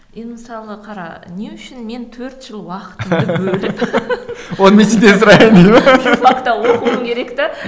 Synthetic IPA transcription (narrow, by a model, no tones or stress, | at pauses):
enməsɑlˠəqʰɑɾɑ̰neʏʃɪnme̞nt̪ʰɵɾt̪ʒ̥əlˠwɑqə̥t̪əɪbɵlɪp | wo̞nəmet͡ʃend̪esʊɾɑjənd̪ijmɑmɑqt̪ɑwoqəwəmkʲʰe̞ɾe̞kt̪ɪ